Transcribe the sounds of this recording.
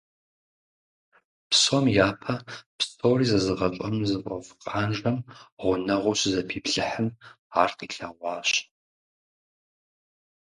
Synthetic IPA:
psomjaːpʰɐpstʰoːriːzɐzɨʁɐt͡ʃʷʼɐmzɨpʷʼɐ̰fqʼaːnʒɐmʁʷʊnɐʁʷʊɕzɐpʰiːpɬɨħəm | aːrqiːɬɐʁʷɑːɕ

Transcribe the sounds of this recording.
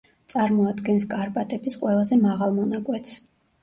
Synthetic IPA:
t̪sʼaɾmɔad̪ɡɛnskʼaɾpʼat̪ʼɛbisqʼwɛlˠazɛmaʁalˠmɔnakʼwɛt̪s

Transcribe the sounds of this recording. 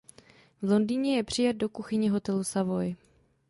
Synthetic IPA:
vlo̞ndiɲɛjɛpr̝̥ɪjad̪̚do̞kuxɪɲɪɦo̞t̪ɛlusavo̞j

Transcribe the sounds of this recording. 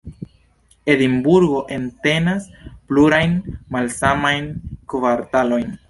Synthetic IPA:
e̞limbuɾɡo̞ʔe̞nte̞naspluɾajnmalsamajnkvaɾtalo̞jn

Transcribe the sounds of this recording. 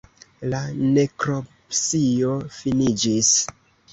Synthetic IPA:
lane̞kɾopsiofinid͡ʒis

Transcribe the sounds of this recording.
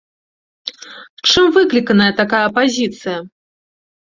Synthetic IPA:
t͡ʂɨmvɨklʲikɐnɐjɐt̪akajɐɐpazʲit̪sɨjɐ

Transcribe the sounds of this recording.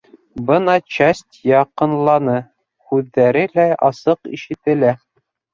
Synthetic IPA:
bɤnɑt͡ɕæsʲt̪ʲjɑqɤ̆nlˠɑnɤ | hʉðːæɾɘlæɑsɤqḭʃɘ̆t̪ɘ̆læ

